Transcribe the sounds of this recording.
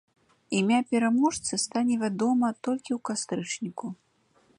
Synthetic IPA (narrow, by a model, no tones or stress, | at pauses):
imʲapʲɛɾamɔʂt̪sɨst̪anʲɛvʲad̪ɔmɐt̪ɔlʲkʲiwkast̪ɾɨt͡ʂnʲiku